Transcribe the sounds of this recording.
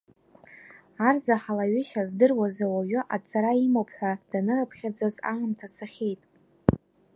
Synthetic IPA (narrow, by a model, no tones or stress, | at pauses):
arzaħalaɥʏʃazdɨrwazawaɥʏʔat͡sʰʼaɾaimopʰħʷᶣad̥anɨrapʰχʲad͡zoza̰mɨmtʰasaχʲejtʼ